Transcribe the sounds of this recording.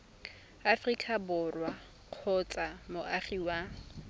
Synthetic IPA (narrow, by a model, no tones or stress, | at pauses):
afrikʼabʊrwa | q͡χʰʊt͡sʼamʊʔaχiwa